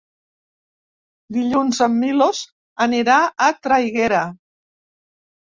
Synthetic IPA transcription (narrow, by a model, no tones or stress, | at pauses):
d̪iʎunzəmːiloz | əniɾaat̪ɾajɣeɾa